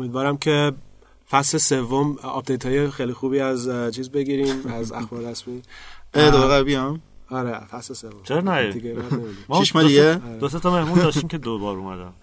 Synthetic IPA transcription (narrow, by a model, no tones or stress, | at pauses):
omiːd̪vɒːɾæmcʰe̞ | fæslesevːomɒ̰p̚d̪ejt̪ʰhɒːjexejlixuːbiːæzt͡ʃʰiːzbe̞ɡiːɾĩːmæzæ̰xbɒːɾɾæsmied̪oeɣæɾbijɒmɒɾefæslesevomsʰeɾnæiɡeænemid̪imt͡ʃːʰiʃmɛd̪ijeɾed̪os̬et̪ʰɔmehmuːnd̪ɒːʃt̪imced̪obɒːɾumæ̰d̪æ̰m